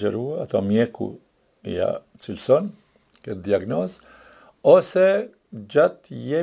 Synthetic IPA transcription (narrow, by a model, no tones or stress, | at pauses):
d͡ʒeɾuat̪amjekṵ | ja̰ | t͡silson | ked̪jaɡnos | ose | d͡ʒat̪je